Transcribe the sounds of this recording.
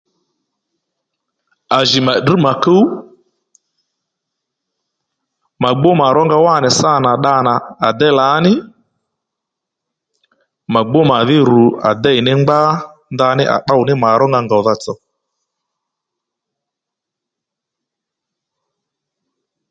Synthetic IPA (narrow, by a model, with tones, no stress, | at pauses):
a˨ʒɪ˨ma˨ɗ̩˨ma˨kə˦u˦ | ma˨ɡ͡bo˦ma˨ɾɔ˦ŋɡa˧wa˦˨nɪ˨sa˦˨na˨ɗa˧na˨a˨dɛ˦la˨˦nɪ˦ | ma˨ɡ͡bo˦ma˨ðɪ˦ɾu˨a̰˨dɛ˦ɪ˨nɪ˦ŋ͡mɡ͡ba˦nda˧nɪ˦ʔa̰˨ɗa˦ʊ˨nɪ˦ma˨ɾɔ˦ŋɡa˧ŋɡa˨ða˦t͡sɔ˨